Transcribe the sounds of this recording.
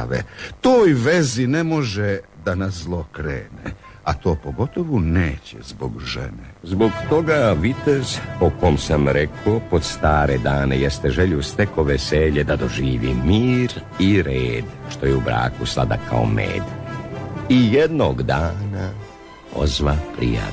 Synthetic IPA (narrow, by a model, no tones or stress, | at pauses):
ʋḛt̪oːjʋe̞zinemo̞ʒed̪anaszlˠokɾeːne | at̪o̞ːpo̞ɡo̞t̪o̞ʋuneːt͡ɕḛzboɡʒḛnezboɡt̪o̞ɡaʋit̪ezpokomsamɾekopod̪st̪aːɾed̪aːnejest̪e̞ʒeʎust̪e̞ko̞ʋeseʎed̪ad̪oʒiːʋḭmiːɾ | iɾeːd̪ | ʃt̪o̞jeubɾa̰ːkuslˠa̰d̪a̰kʰa̰o̰mḛːd̪ | ijed̪noɡd̪aːna | o̰zʋapɾḭja̰